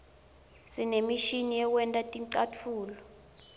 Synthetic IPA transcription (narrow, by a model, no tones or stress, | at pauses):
sinemiʃinijɛk̬wɛntʼatʼiǀat͡fʰuːlɔ